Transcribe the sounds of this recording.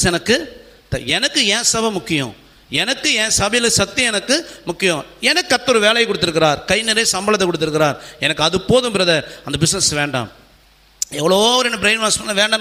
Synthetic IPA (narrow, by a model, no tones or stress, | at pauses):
ɛnɐkːɯ | t̪ɐɛnɐkːɯɛ̃ːsɐbɐmʊkːɪjʊ̰̃ | ɛnɐkːɯɛ̃ːsɐbɐjɐlɯsɐt̪ːɪɛnɐkːɯmʊkːɪjʊ̃ɛnɐkːɯɐt̪ːɔɾɯʋeːlɐjɐkːɔɽɯt̪ːɪɾɯk̬ːɪɾaːɾkɐɪnɛɾesɐmbɐlɐt̪ːɛkɔɽɯt̪ːɪɾɯkːɪɾaːɾɛnɐkːɐðɯpːoːðɯmpɪɾɐðɐɐnd̪ɐbɪsnɐsʋeːɳɖa̰ːm | ɛʋːɐɭoːʋɐɾɛnːɐbɪɾeɪnʋaːnspɐnːaʋeːɳɖɐn